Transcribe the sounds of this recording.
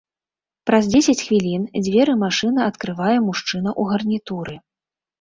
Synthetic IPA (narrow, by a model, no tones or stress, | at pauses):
pɾɐzd͡zʲesʲɐt͡sʲxvʲilʲind͡zʲvʲɛɾɨmaʂɨn̪ɐɐt̪kɾɨvajɛmuʂt͡ʂɨnɐʔuɣɐrnʲit̪uɾɨ